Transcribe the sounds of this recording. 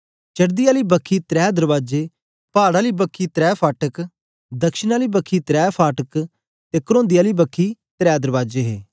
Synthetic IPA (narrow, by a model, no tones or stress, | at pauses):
t͡ʃɐɽd̪ɪjaːliːbəkʰːiːt̪ɾɛːd̪əɾʋaːd͡ʒeː | paːɽaːliːbəkʰːit̪ɾɛːpʰaːʈək | d̪ɐkʃɪnaːliːbəkʰːiːt̪ɾɛːpʰaːʈək | t̪eːkəɾõːnd̪ɪjaːliːbəkʰːit̪ɾɛːd̪əɾʋaːd͡ʒeːɦeː